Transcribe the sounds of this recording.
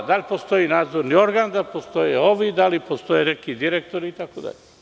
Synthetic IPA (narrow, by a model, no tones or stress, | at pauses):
d̪aʎʲpo̞st̪o̞iːnaːd̪zoɾnio̞ɾɡaːnd̪alpost̪o̞jeo̞ʋid̪alipost̪o̞jenekid̪iɾek̚t̪oɾiːt̪akod̪a̰ʎe